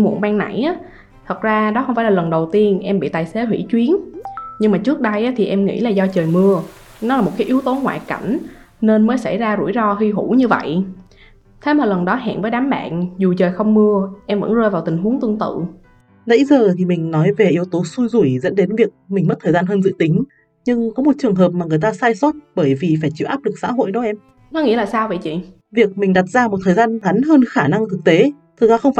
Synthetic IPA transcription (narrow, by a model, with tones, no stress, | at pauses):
mṵ˨˧˩ənmaː˧ŋna̰˧˩jʔaː˨˦ | t̪ʰə˨˩t̚zaː˧ɗɔ˨˦xə˧wŋ͡mfaː˧˩lːlə˨˩nɗə˨˩wt̪i˧ənʔɛ˧mɓḭ˧˨t̪aː˨˩jse˨˦ɦwḭ˧˥t͡ɕwi˨˦ənɲɨ˧ŋmaː˨˩t͡ɕɨ˦˥ək̚ɗə˧jʔaː˨˦t̪ʰi˨˩ʔɛ˧mŋḭ˧˥laː˨˩zɔ˧t͡ɕəː˨˩jmɨ˧ə | nɔ˨˦laː˨˩mo˨˩t̚kaː˨˦ʔi˨˦əwt̪o˨˦ŋwa̰ː˧˨jka̰˧˩jŋ̟ | ne˧nməː˨˦jsa̰˧˩jzaː˧zṵ˧˩jzɔ˧hi˧ɦu˧˩ɲɨ˧və̰˧˨j | t̪ʰe˨˦maː˨˩lə˨˩nɗɔ˨˦ɦa̰ː˧˨nvə˨˦jɗaː˨˦mɓa̰ː˧˨nzu˨˩t͡ɕəː˨˩jxə˧wŋ͡mmɨ˧əʔɛ˧mvə̰˧˥nzəː˧jvaː˨˩t̪ï˨˩ŋ̟ɦu˨˦əŋt̪ɨ˧əŋt̪ɨ̰˧˨ | lə̰˧˥jzəː˨˩t̪ʰi˨˩mï˨˩ŋ̟nɔ˨˦jve˨˩ʔi˨˦əwt̪o˨˦su˧jzu˧˩jzə̰˧˥nɗe˨˦nvi˨˩ək̚mi̟˨˩ə˦˥t̚t̪ʰəː˨˩zaː˧nɦəː˧nzɨ̰˧˥t̪ï˨˦ŋ̟ | ɲɨ˧ŋkɔ˨˦mo˨˩t̚t͡ɕɨ˨˩əŋɦəː˨˩p̚maː˨˩ŋɨ˨˩əjt̪aː˧saː˧jso˦˥t̚ɓəː˧˩jvi˨˩faː˧˩jt͡ɕi˧˩˨wʔaː˦˥p̚lɨ˨˩k̚sa̰ː˧˥ɦo̰˧˨jɗo˨˦ʔɛ˧m | nɔ˨˦ŋḭ˧˥əlaː˨˩saː˧wvə̰˧˨jt͡ɕḭ˧˨ | vi˨˩ək̚mï˨˩ŋ̟ɗa˨˩t̚zaː˧mo˨˩t̚t̪ʰəː˨˩jzaː˧nɣa˨˦nɦəː˧nxaː˧˩na˧ŋt̪ʰɨ˨˩k̚t̪e˨˦ | t̪ʰɨ˨˩zaː˧xə˧wŋ͡mf